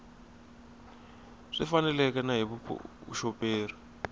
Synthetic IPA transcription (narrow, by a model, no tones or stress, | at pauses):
ʂifanɛlɛkɛnaɦiβupʰṵʃɔpeːri